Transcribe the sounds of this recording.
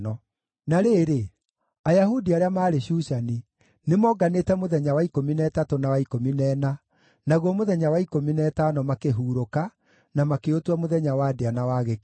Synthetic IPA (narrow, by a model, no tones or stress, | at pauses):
ɔ | naɾeːɾe | ajaɦudiaɾeamaːɾeɕuːʃani | nemɔːɡanetɛmoðɛɲawaikominɛːtatonawaikominɛːna | naɣwɔmoðɛɲawaikominɛːtanɔmakeɦuːɾoka | namakeotwamoðɛɲawaːdeanawaːɣe